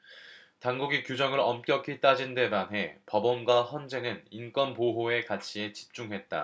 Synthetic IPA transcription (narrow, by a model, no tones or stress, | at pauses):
taŋɡuɡikjud͡ʑʌŋɯɾʌmk͈jʌkʰit͈ad͡ʑinde̞manɦe̞pʌbʌmɡwaçjʌnd͡ʑe̞nɯnink͈wʌnpoɦoe̞kat͡ɕʰie̞t͡ɕi̥p̚t͡ɕ͈uŋɦe̞t̚t͈a̰